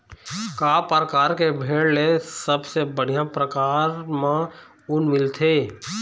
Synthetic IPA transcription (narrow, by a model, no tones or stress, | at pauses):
kaːpəɾkaːɾkebʱeːɽlesəbsebəɽ̤ijãpɾəkaːɾmã | ʊnmɪlt̪ʰeː